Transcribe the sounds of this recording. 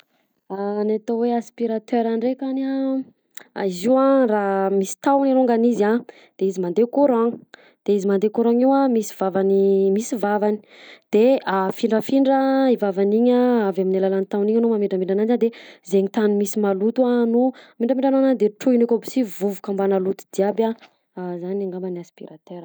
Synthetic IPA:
anat̪oweaspiɾat̪øɾaɳɖ͡ʐekana | a̰iziwãramisi̥t̪awniɾuŋɡaniza | d̪̥eizimand̪ekuɾãŋ | d̪̥eizimand̪ekoɾaŋiwamisi̥vavanimisivavani̥ | d̪̥eafiɳɖ͡ʐəfiɳɖ͡ʐəivavaniɲaavaminalalanit̪awniɲnumameɖ͡ʐambiɳɖ͡ʐananizand̪ezeɲit̪anumisimalut̪uanuamiɳɖ͡ʐamiɳɖ͡ʐanananid̪eʈ͡ʂuinekobi̥sivuvukambanalut̪u̥d̪iabʲa | zaniaŋɡambaniaspḭɾat̪eɾ

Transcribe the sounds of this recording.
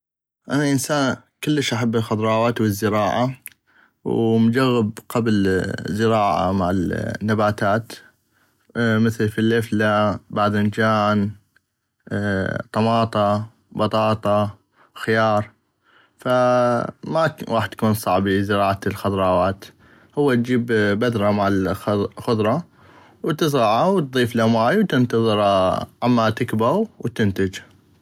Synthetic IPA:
ʔanaʔɪnsaːnkɪlːəʃʔaħabːɪlxɑd̪ˤɾˤɑːwaːt̪wəzːɪɾɑːʕa | wmʊd͡ʒaɣːɪbqablzɪɾɑːʕa̰maʕɪlnːabaːt̪aːt̪ | mɪθlfilʔɪflabaʕd̪ʔɪnd͡ʒaːn | t̪ˤɑmɑːt̪ˤɑ | bɑt̪ˤɑːt̪ˤɑ | xɪjɑːɾˤ | fa | mawaːħɪd̪jkuːnsˤɑʕbizɪɾɑːʕalxʊd̪ˤɾˤɑːwaːt̪ | hʊwːat̪̚d͡ʒiːbbad̪ɾˤɑmaʕɪlxʊðˤɾˤɑ | wt̪ɪs̬ɾɑʕawt̪̚ðˤiːflamaːjwt̪ɪnt̪ɑðˤɨɾʕamːat̪ɪkbawwt̪ɪnt̪ɪd͡ʒ

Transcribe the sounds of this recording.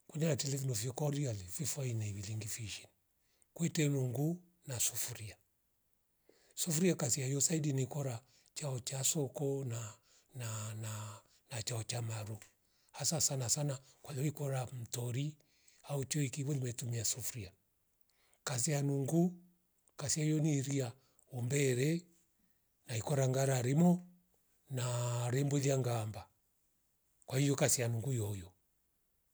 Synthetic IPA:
kunɛnatɛlɛfɔnɔfiɔkɔɾialififainɛiβiliŋɡifiʃin | kwɛtɛnuŋɡu | nasufuɾia | sufuɾiakasiajɔsaidinikɔɾa | t͡ʃaɔt͡ʃasɔkɔna | nana | nat͡ʃaɔt͡ʃamaɾu | hasasanasanakwalɛikɔɾam̩tɔɾi | haut͡ʃɔikiβɔlimɛtumiasufɾia | kas̬ianuŋɡu | kasiajɔniɾia | ɔmbɛɾɛ | naikɔɾaŋɡaɾaɾimɔ | naɾɛmbɔðiaŋɡamba | kwahijɔkasianuŋɡujɔjɔ

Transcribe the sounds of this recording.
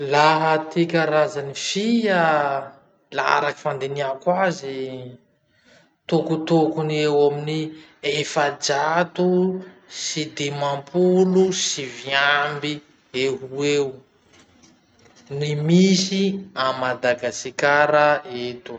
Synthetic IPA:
laɦət̪ikʲaɾazanifija | laa̰ɾaki̥fand̪eniakwazi | t̪okut̪okuniewamini | efad͡ʒat̪usid̪emampʰulusiviambi | eɦuew | nimisiamad̪aɡasikaɾəet̪u

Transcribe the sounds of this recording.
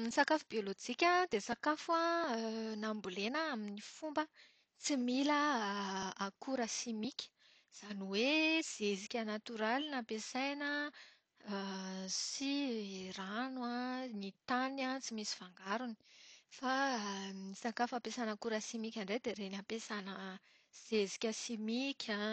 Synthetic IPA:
nisakafubiolod͡ʒikʲəd̪esakafua | nambulenəaminifumbə | t͡similə | akuɾəsimikʲə̥ | z̥aniwez̥ezikʲanat̪uɾalinapesajnə | sirananit̪anat͡simisi̥faŋɡaɾuni̥fa | nisakafapesanakuɾəsimikʲaɳɖ͡ʐed̪eɾenampesanə | z̥ezi̥kʲəsimikʲʰa

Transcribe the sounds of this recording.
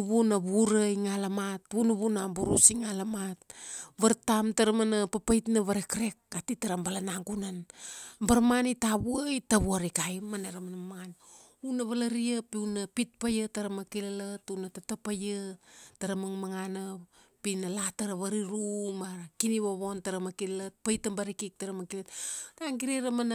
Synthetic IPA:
uβunaβuɾaiŋalamatβunuβunambuɾṵsiŋalamat̚βaɾtamtaɾamanapapajtnaβaɾekɾe̞k̚atitaɾambalanaŋɡunanbaɾmanitaβuajtaβuaɾikajmaneɾamanamaŋan | unaβalaɾiapiunapit̚pajataɾamakilalatunatatapajataɾamaŋmaŋana | pinalataɾaβaɾiɾumakiniβoβontaɾamakillat̚pajtambaɾikik̚taɾamakilattaŋɡiɾeɾaman

